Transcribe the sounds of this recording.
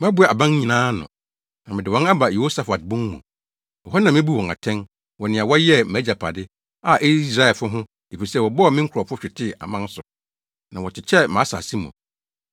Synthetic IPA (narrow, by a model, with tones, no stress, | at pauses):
m˦a˦bu˦a˨a˨bã˦n˦ɲĩ˨nãː˦nʊ̰̃˨ | nã˨mɪ̃˨dɪ˨wɔ̃˦na˦ba˨je˨o˦sa˨fa˨t̚bʊ̃˦ŋmṵ̃˨ | ɔ˨hɔ˦n˦ã˨mɪ̃˦bu˦wɔ̃˨ŋa̰˨tʰɛ̃˦n | wɔ˨nɪ̃˨a˨wɔ˦jɛ˦˨mæ˨˦d͡ʑa˨pʰa˨dɪ˦ | a˨ʔi˦sɾa˨˦ɛ˨lfʊ˦ɦʊ̃˦ | e˨fi˨sɛ˦˨wɔ˨bɔ˦˨mɪ̃˦ŋ̩˦kʰʊ˨ɾɔ˨fʊ˦ɕᶣɪ˨tʰɪ˦˨a̰˨mã˦n˦sʊ˨ | nã˨wɔ˨tʰɪ˨t͡ɕʰɛ˦mã˨˦sa̰˨si˦mʊ̰̃˨